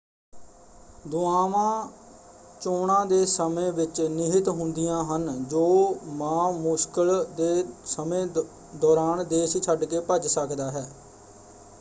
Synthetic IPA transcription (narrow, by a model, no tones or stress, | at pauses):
d̪ʊaːʋãː | t͡ʃoːɳãːd̪eːsəmẽːʋɪt͡ʃnɪɦɪt̪ɦʊnd̪ɪjãːɦənd͡ʒoːmãːmʊskəld̪eːsəmẽː | d̪ɔːɾaːnd̪eːʃt͡ʃʰəɖkeːpəd͡ʒsəkd̪aːɦɛː